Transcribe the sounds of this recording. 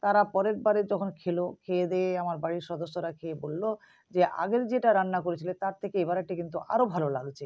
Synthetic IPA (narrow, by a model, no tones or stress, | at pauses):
t̪aɾapɔɾeɾbaɾed͡ʑɔkʰonkʰelokʰeed̪ɛeamaɾbaɽiɾʃɔd̪oʃːoɾakʰeebolːo | d͡ʑeʔa̰ɡeɾd͡ʑeʈaɾanːakoɾet͡ɕʰilet̪aɾt̪ʰekeebaɾaʈikint̪̬uʔa̰ɾobʱalolalt͡ɕʰe